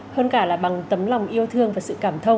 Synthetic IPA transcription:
həː˧nkaː˧˩laː˨˩ɓa˨˩ŋt̪ə˨˦mla˨˩wŋ͡mʔi˧əwt̪ʰɨ˧əŋvaː˨˩sɨ̰˧˨kaː˧˩mt̪ʰə˧w

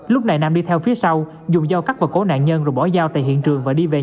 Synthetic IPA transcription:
lʊ˦˥k͡p̚na˨˩jnaː˧˩mɗi˧t̪ʰɛ˧wfi˨˦əsa˧w | zʊ˨˩ŋ͡mzaː˧wka˦˥k̚vaː˨˩ko˨˦na̰ː˧˨nɲə˧nzo˨˩jɓɔ˧˩zaː˧wt̪a̰ː˧˨jhḭ˧˨ənt͡ɕɨ˨˩əŋvaː˨˩ɗi˧ve˨˩

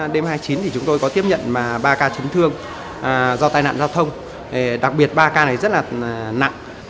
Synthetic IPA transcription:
ɗe˧mhaː˧jt͡ɕi˨˦nt̪i˨˩t͡ɕʊ˨˦ŋ͡mt̪o˧jkɔ˨˦t̪i˦˥əp̚ɲə̰˧˨nmaː˨˩ɓaː˧kaː˧t͡ɕi˨˦ŋt̪ʰɨ˧əŋ˨˩ | zɔ˧t̪aː˧jna̰ː˧˨zaː˧wt̪ʰə˧wŋ͡m | ɗe˨˩ɗa˨˩k̚ɓi˨˩ət̚ɓaː˧kaː˧na˨˩jzə˦˥t̚laː˨˩˨na̰˧˨ŋ

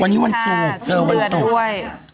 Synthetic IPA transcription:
a˧nːiː˦˥wa˧nsu˨˩˨k̚t͡ɕɤː˧wa˧nsu˨˩k

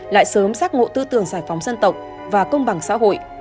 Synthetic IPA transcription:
la̰ː˧˨jsəː˨˦msaː˦˥k̚ŋo̰˧˨t̪ɨ˧t̪ɨ˨˩əŋzaː˧˩jfa˨˦wŋ͡mzə˧nt̪ə˨˩wk͡p̚ | vaː˨˩kə˧wŋ͡mɓa˨˩ŋsa̰ː˧˥ɦo̰˧˨j

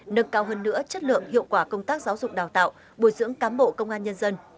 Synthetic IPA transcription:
nə˧ŋkaː˧wɦəː˧nːɨ̰˧˥ət͡ɕə˦˥t̚lɨ̰˧˨əŋhḭ˧˨əwkwaː˧˩kə˧wŋ͡mt̪aː˦˥k̚zaː˨˦wzʊ˨˩k͡p̚ɗaː˨˩wt̪a̰ː˧˨w | ɓo˧˩jzɨ̰˧˥əŋkaː˨˦mɓo̰˧˨kə˧wŋ͡mʔaː˧nɲə˧nzə˧n

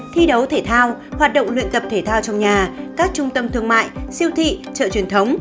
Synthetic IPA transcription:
t̪ʰi˧ɗə˨˦wt̪ʰe˧˩t̪ʰaː˧whwaː˨˩t̚ɗo̰˧˨wŋ͡mlwḭ˧˨ənt̪ə˨˩p̚t̪ʰe˧˩t̪ʰaː˧wt͡ɕɔ˧wŋ͡mɲaː˨˩kaː˦˥k̚t͡ɕʊ˧ŋ͡mt̪ə˧mt̪ʰɨ˧əŋma̰ː˧˨jsi˧əwt̪ʰḭ˧˨t͡ɕə̰ː˧˨t͡ɕi˨˩ənt̪ʰə˨˦wŋ͡m

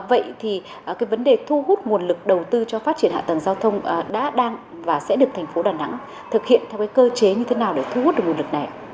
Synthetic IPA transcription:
və̰˧˨jt̪ʰi˨˩˨ | kaː˨˦jvə˨˦nɗe˨˩t̪ʰu˧ɦu˦˥t̚ŋu˨˩ənlɨ˨˩k̚ɗə˨˩wt̪ɨ˧t͡ɕɔ˧faː˦˥t̚t͡ɕi˧˩ənha̰ː˧˨t̪ə˨˩ŋzaː˧wt̪ʰə˧wŋ͡mɗa̰ː˧˥ɗaː˧ŋ | vaː˨˩sɛ̰˧˥ɗɨ˨˩ək̚t̪ʰŋ̟fo˨˦ɗaː˨˩na̰˧˥ŋ | t̪ʰɨ˨˩k̚hḭ˧˨ənt̪ʰɛ˧wkaː˨˦jkəː˧t͡ɕe˨˦ɲɨ˧e˨˦naː˨˩wɗe˧˩t̪ʰu˧hu˦˥ɗɨ˨˩ŋ˨˩˨lɨ˨˩k̚na˨˩j

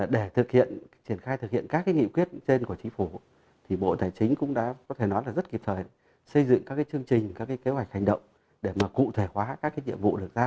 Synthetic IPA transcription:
aː˨˩ɗe˧˩t̪ʰɨ˨˩k̚hḭ˧˨ənt͡ɕi˧˩ənxaː˧jt̪ʰɨ˨˩k̚hḭ˧˨ənkaː˦˥kːaː˨˦jŋḭ˧˨kwi˦˥ət̚t͡ɕe˧nku˧˩ət͡ɕï˨˦ŋ̟fu˧˩ | t̪ʰi˨˩ɓo̰˧˨t̪aː˨˩jt͡ɕï˨˦ŋ̟kʊ̰˧˥ŋ͡mɗa̰ː˧˥kɔ˨˦t̪ʰe˧˩nɔ˨˦jla˨˩zə˦˥t̚ki˨˩p̚t̪ʰəː˨˩j | sə˧jzɨ̰˧˨ŋkaː˦˥kːaː˨˦jt͡ɕɨ˧əŋt͡ɕï˨˩ŋ̟kaː˦˥kːaː˨˦ke˨˦wa˨˩jk̚ha˨˩ŋ̟ɗə̰˧˨wŋ͡m | ɗe˧˩maː˨˩kṵ˧˨t̪ʰe˧˩hwaː˨˦kaː˦˥k̚ːaː˨˦jɲḭ˧˨əmvṵ˧˨ɗɨ˨˩ək̚zaː˧

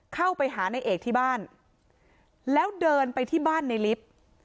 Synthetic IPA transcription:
kʰa˥˩wpa˧jɦaː˩˦na˧jʔeː˨˩k̚t̪ʰiː˥˩baː˥˩n | lɛː˦˥wdɤː˧npa˧jt̪ʰiː˥˩baː˥˩nːa˧jli˦˥p̚

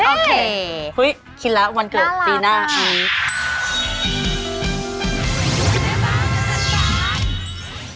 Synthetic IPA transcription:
ʔoː˧˩kʰe˧hu˦˥j | kʰi˧˥t̪̚lɛ˦˥wa˧nkɯ˨˩t̪̚piː˧naː˥˩a˧˩˧ | a˧˩˧a˧

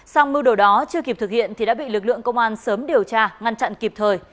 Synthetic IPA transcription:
sa˧wŋ͡mmɨ˧wɗo˧˩ɗɔ˨˦t͡ɕɨ˧əki˨˩p̚t̪ʰɨ˨˩k̚hḭ˧˨ənt̪ʰi˨˩ɗa̰ː˧˥ɓḭ˧˨lɨ˨˩k̚lɨ̰˧˨əŋkə˧wŋ͡mʔaː˧nsəː˨˦mɗi˨˩əwt͡ɕaː˧ŋa˧nt͡ɕa̰˧˨nki˨˩p̚t̪ʰəː˨˩j

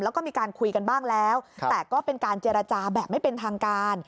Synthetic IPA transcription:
lɛː˦˥wkɔː˥˩miː˧kaː˧nkʰu˧jka˧nbaː˥˩ŋlɛː˦˥wt̪ɛː˨˩kɔː˥˩pe˧nkaː˧nt͡ɕeː˧ɾa˧t͡ɕaː˧bɛː˨˩p̚ma˥˩jpe˧nt̪ʰaː˧ŋkaː˧n

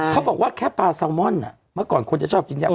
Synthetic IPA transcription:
kʰa˦bɔː˨˩k̚waː˥˩kʰɛː˥˩paː˧sa˧wmɔ˥˨nːa˨˩ | mɯ˥˩˨kɔː˨˩nkʰo˧nt͡ɕa˨˩t͡ɕʰɔː˥˩p̚ki˧nja˧˩

